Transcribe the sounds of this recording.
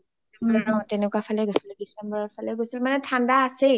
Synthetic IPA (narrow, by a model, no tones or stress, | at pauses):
manɛnɔtɛnɛkwapʰalɛɡosildisɛmbɔɹɔpʰalɛɡojsilmanɛtʰandaːse